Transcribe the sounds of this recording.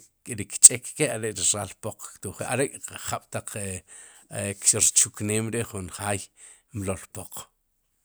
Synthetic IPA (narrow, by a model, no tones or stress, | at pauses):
kʼeɾikt͡ʃʼekːeaɾeʔɾiɾalpoq͡χkt̪uχeʔa̰ɾekʼaχaɓ̥t̪aq͡χe | kʃɾt͡ʃukneːmɾeʔχunχaːj | mlolpoq͡χ